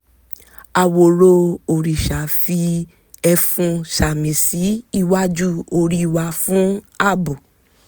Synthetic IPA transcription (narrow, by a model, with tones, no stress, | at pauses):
a˨wo˨ɾo˧o˨ɾi˨ʃa˨fi˧ | ɛ˧fũ˧ʃa˨mĩ˨si˨˦i˦˧wa˦d͡ʒu˦o˧ɾi˦˧˨wa˧fũ˨˦a˦˨bu˨